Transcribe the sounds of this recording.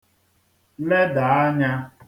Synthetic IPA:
le˦da˨a˦ɲa˦

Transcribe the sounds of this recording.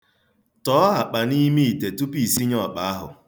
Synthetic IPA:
tɔ˨˦ɦa˨k͡pa˨ni˦mi˦i˨te˨tu˦pi˨si˦ɲɔ˨k͡pa˨a˦ɦʊ̰˨

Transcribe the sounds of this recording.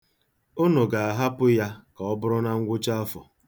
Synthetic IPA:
o˦no˨ɡa˨a˨ɦa˦pʊ˦ja˦ka˨ɔ˦bʊ˦ɾʊ˦na˦ŋ̩˦ɡʷʊ˦t͡ʃa˦a˦fɔ˨

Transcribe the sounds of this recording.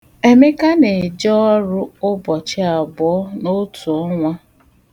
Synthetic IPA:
e˦me˦ka˦ne˨d͡ʒɔ˦ɾʊ˦ʊ˦bɔ˨t͡ʃɪ˦a˨bɔ˨ɔ˦no˦tu˨ɔ˦ŋʷa˦

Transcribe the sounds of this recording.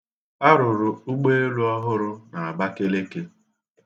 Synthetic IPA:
a˦ɾʊ˨ɾʊ˨u˦ɡ͡be˦e˦lu˦ɔ˦ɦʊ˦ɾʊ˦na˨a˨ba˦ke˦le˦ke˦

